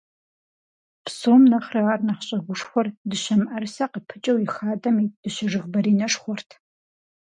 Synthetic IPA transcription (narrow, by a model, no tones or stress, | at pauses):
psoːmnɐχrɨʁarnɐχɕʼɐɡʷʊʂxʷɔrdɨɕɐmʔɐrsɐqəpʰɨt͡ʃʼɐwixaːdʼɐmiːd̥ɨɕɐʐɨʁbɐɾiːnɐʂχʷɔrtʰ